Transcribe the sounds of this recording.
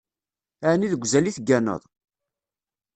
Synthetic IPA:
əʕniðəɡʷzæliθɡːænə̰ðˤ

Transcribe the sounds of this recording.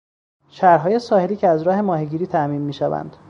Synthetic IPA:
ʃæɾɦɒːje̞sɒːhe̞liːcʰeæzɾɒːɦe̞mɒːɦeɟiːɾiːt̪ʰæmiːnmːiːʃævæ̰nd̪̥

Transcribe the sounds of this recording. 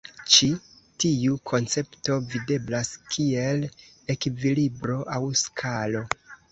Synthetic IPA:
t͡ʃi | tiukʰo̞nt͡se̞pto̞vide̞blaskʰie̞l | e̞kvilibɾo̞ʔawskʰalo̞

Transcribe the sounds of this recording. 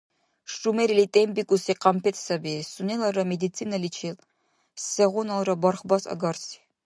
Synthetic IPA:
ʂʈ͡ʂʼumeɾilitʼembikʷʼusiqɐmpʰet̪ʰsɐbesunelɐrɐmed̪it͡sʰiːnɐlit͡ʃʰel | ssɛʁʷʊnɐlˠrɐbɐrχbɐsɐ̰ɡɐrsi̥

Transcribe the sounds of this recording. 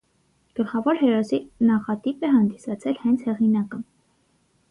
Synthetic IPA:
ɡ̥əlχɑvɔɾɦɛɾɔsinɑχɑt̪ipɛɦɑnd̪isɑt͡sʰɛlhɛnt͡sʰhɛʁinɑkə

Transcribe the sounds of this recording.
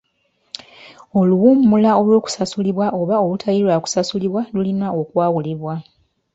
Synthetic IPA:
o̞luwumːulao̞lwo̞ːku̥sasuliβwaʔo̞βao̞lutʰajilwaːku̥sasuliβwalulinaokwaːwuliβwa

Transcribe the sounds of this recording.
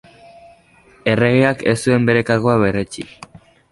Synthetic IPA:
e̞re̞ɣ̞eake̞̰sue̞mbe̞ɾe̞kaɾɣoaβe̞re̞t͡ʃḭk

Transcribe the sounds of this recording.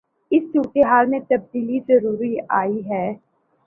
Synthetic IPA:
ɪst͡ʃuːʈeɦaːlmẽt̪ɐb̚d̪iːlizɐɾuːɾiaːiɦɛː

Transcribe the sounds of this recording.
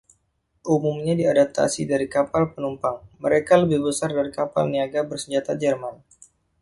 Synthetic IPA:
ʔumumɲadiadap̚t̪ʰa̰sidaɾikapalpənumpaŋməɾekaləbɪhbəsardaɾikapa̰lniaɡabərsəɲd͡ʒat̪ad͡ʒərman

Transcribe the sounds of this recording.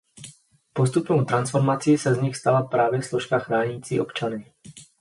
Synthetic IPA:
post̪upnowt̪ɾansfɔɾmat͡sɪːsɛzɲixst̪alapɾaːvjɛfslɔʃkaxɾaːɲiːt͡sḭːʔɔpt͡ʃanɪ

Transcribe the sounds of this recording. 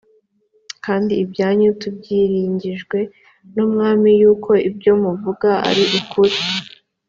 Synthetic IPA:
kaːndiːbɟaːɲutub̚ɟiːɾiːɲɟiʒɡwe̞ | numŋaːmijuːkʰo̞ibɟo̞ːmuvuɡaa̰ɾiʔukʰuɾi

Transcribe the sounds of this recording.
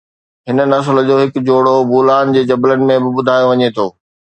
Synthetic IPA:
ɦɪnənɐs̬ld͡ʑoːɦɪkd͡ʑoːɽobuːlaːnd͡ʑeːd͡ʑɐblənɪ̆mẽbɪbʊd̪ʱaːjoʋɐɲet̪ʰoː

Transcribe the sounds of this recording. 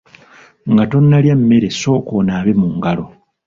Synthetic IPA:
ŋɡato̞nːaljamːe̞ɾeso̞ːkonaːβemuːŋɡalo̞

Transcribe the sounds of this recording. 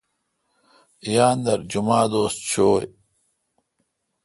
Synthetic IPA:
ijaːnd̪ɐɾd͡ʑumaːd̪oːst̪̚t͡ɕʰoːj

